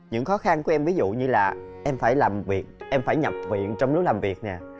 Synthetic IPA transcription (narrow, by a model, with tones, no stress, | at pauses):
ɲɨ̰˧˥ŋxɔ˨˦xa˧nku˧˩˦ʔɛ˧mvi˨˦zṵ˧˨ɲɨ˧laː˨˩ʔɛ˧mfaː˧˩jlaː˨˩mvi˨˩ət̚ʔɛ˧mfaː˧˩jɲa˨˩p̚vḭ˧˨ənt͡ɕɔ˧wŋ͡mlʊ˦˥k͡p̚laː˨˩mvi˨˩ək̚nɛ˨˩